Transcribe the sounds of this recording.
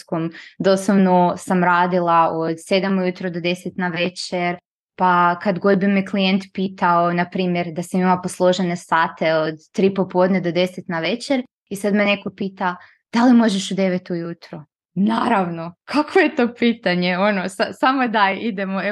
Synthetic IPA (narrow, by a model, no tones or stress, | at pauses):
komd̪o̞slˠoʋnosamɾaːd̪ilˠaod̪se̞d̪amujut̪ɾod̪od̪e̞set̪naʋe̞t͡ɕeɾ | pakad̪ɡo̞d̪̚bimeklijent̪piːt̪aonapɾiːmjeɾd̪asimimaposlˠo̞ʒenesaːt̪e̞od̪t̪ːɾipopo̞d̪ned̪o̞d̪e̞set̪naʋe̞t͡ɕe̞ɾ | isad̪mene̞ko̞piːt̪a | d̪̥alimo̞ʒeʃud̪e̞ʋet̪ujut̪ɾo | naːɾaʋno̞kʰakʋoje̞t̪o̞ːpiːt̪aɲeo̞nosasamod̪ajʔid̪emoe